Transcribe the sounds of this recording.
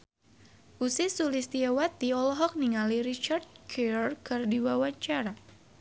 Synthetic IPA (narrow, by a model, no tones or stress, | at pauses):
ʔusɪsulist̪iawat̪iɔlɔɦɔk̚niŋaliɾit͡ʃard̪̚kʰɛrkərdiwawaɲt͡ʃaɾa